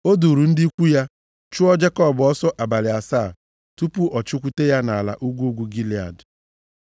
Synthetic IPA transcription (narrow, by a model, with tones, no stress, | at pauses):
o˦du˨ɾu˨n̩˦dɪi˦i˦kʷu˦ja˦ | t͡ʃu˦ɔ˦d͡ʒe˦kɔ˦˨bɔ˦sɔ˦ʔa˨ba˨lɪ˨a˨saː˦˨ | tu˦pu˦ʔɔ˨t͡ʃʊ˦kʷu˦te˦ja˦na˨a˨la̰˨ʔu˦ɡʷu˦u˦ɡʷu˦ɡi˦li˨a̰˨d